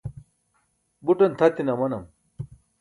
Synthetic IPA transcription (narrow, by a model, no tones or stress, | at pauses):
buʈɐnt̪ʰɐt̪inɐmɐnɐm